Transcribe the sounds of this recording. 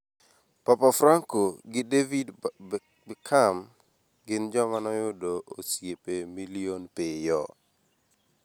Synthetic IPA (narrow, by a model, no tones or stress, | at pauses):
papafɾaŋkoɡɪdevid | bkʰam | ɡɪnd͡ʒɔmanɔjʊdoosjepemilionpɪjɔ